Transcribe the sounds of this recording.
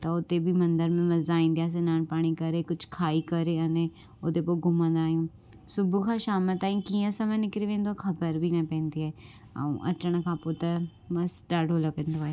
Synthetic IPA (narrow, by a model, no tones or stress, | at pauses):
t̪ɐʊt̪ebʱimɐ̃nd̪əɾmẽmɐzaːĩːnd̪ijaːs̬enaːnpaːɽ̃ikɐɾeːkʊd͡ʒʰkʰaːiːkɐɾeənẽ | ot̪epoɡʱʊmə̃nd̪aːjũː | sʊbukʰãʃaːmət̪ãːĩkiːãsãmẽnɪkɾeʋẽːnd̪oakʰɐbəɾbʱiːnapɛ̃ːnd̪iɛː | a̰ṵ̃ʔɐ̰t͡ʃəɽ̃kʰãːpot̪ɐ | mɐsɖaːɖɦolokẽnd̪oaːe